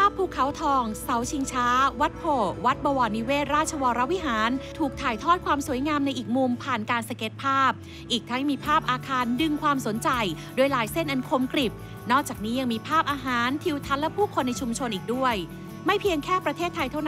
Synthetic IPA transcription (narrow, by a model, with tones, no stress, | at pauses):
pʰaː˥˩pʰːuː˥˩kʰa˦˥wt̪ʰɔː˧ŋsa˩˦wt͡ɕʰi˧ŋt͡ɕʰaː˦˥wa˦˥t̪̚pʰoː˨˩wa˦˥t̪̚bɔː˧wɔː˧nːi˧˥weː˥˩t̪̚ɾaː˥˩t̪̚t͡ɕʰa˧wɔː˧ɾa˦˥wi˦˥ɦaː˩˦nt̪ʰuː˨˩k̚t̪ʰaː˨˩jt̪ʰɔː˥˩t̪̚kʰwaː˧msu˨˩˦əjŋaː˧mna˧jʔiː˨˩k̚mu˧mpʰaː˨˩nkaː˧nsa˧ke˨˦˥t̪̚pʰaː˥˩p̚ | ʔiː˨˩k̚t̪ʰa˧˦˥ŋmiː˧pʰaː˥˩p̚ʔaː˧kʰaː˧ndɯ˧ŋkʰwaː˧mso˩˦nt͡ɕa˧jdu˧˩əjlaː˩˦jse˥˩nʔa˨˧˦nkʰo˧mkɾi˨˩p̚ | nɔː˥˩k̚t͡ɕaː˨˩k̚niː˦˥ja˧ŋmiː˧pʰaː˥˩p̚ʔaː˧ɦaː˩˦nt̪ʰi˧wt̪ʰa˦˥nlɛ˦˥pʰuː˥˩kʰo˧nːa˧jt͡ɕʰu˧mt͡ɕʰo˧nʔiː˨˩k̚du˥˩əj | ma˥˩jpʰi˧əŋkʰɛː˥˩pɾa˧t̪ʰeː˥˩t̪ʰːa˧jt̪ʰa˥˩wn